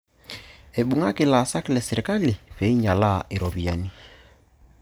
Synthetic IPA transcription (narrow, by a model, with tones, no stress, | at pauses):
e˨ɓu˨ŋa˦ke˨laː˨sa˦ki˦lɛ˨se˨ɾi˨ka˦li˨ɸe˨i˦ɲa˨la˦˨ʔe˨ɾɔ˨βi˨a˨ni˦